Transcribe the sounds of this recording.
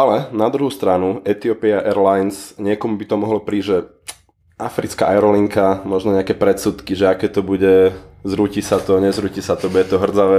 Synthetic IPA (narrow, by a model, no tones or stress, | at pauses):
alɛnad̪ɾuɦust̪ɾanuɛt̪iɔpiaʔɛɾlajnsɲɪɛkɔmubit̪ɔmɔɦlɔpɾiːʒɛ | afɾit͡ska̰ʔaɛɾɔliŋkamɔʒnɔɲɛakɛpɾɛt̪suːt̪kiʒɛakɛːt̪ɔbuɟɛzɾucisat̪ɔɲɛzɾucisat̪ɔbuɟɛt̪ɔɦr̩d͡zaʋɛː